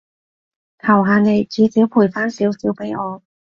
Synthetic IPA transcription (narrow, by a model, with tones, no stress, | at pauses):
k̪ʰɐ˨˩wɦaː˧ne˨jt͡siː˨˧˥siː˨˥wpʰuː˨˩jfaː˥nsiː˨˥wsiː˨˥wpe˨˥jʔɔː˨˧